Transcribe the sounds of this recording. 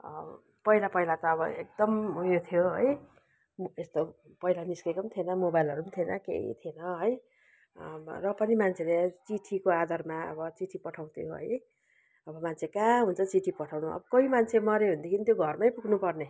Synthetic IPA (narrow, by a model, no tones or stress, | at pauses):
ʌ̰ | pʌilapʌilat̪ʌːbʌḛk̚d̪ʌmjot̪ʰijoɦʌ̰j | est̪o | pʌilaniskekʌmt̪ʰienʌmobajlʌɾumt̪ʰienʌ̰kḛḭt̪ʰienʌɦʌj | rʌpʌnimant͡sʰelet͡siʈʰikoad̪ʱʌrmaʌ̰bʌt͡siʈʰipʌʈʰaw̃t̪ʰijoɦʌ̰j | ʌbʌmant͡sʰekaɦunt͡sʰʌt͡siʈʰipʌʈʰawnuʌ̰bʌkʌimant͡sʰemʌɾeɦund̪ekʰinit̪joɡʱʌrmajpuknupʌrne